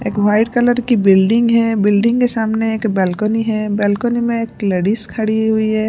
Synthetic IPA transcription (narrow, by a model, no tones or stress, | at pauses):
eːkʋaːɪɖkələɾkibɪlɖɪ̃ŋɡɦɛbɪlɖɪ̃ŋɡkesaːmneeːkbɛːlkoniɦɛbɛːlkonimẽeːkləɽiskʰəɽiɦʊiɦɛ